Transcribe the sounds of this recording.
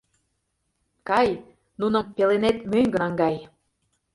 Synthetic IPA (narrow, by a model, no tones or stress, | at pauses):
kɑj | nunɤ̆mpelenet̪møŋɡəŋɡɑj